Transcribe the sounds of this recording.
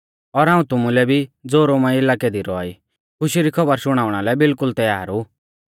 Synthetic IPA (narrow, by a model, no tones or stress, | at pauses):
ɔɾɦaːũt̪ʊmulɛbʱid͡zoːɾomãɪlakɛd̪iɾɔa̰ːi | kʰʊʃiɾikʰɔbəɾʃʊɽ̃aːʊɽ̃alɛbɪlkʊlt̪ɛjaːɾu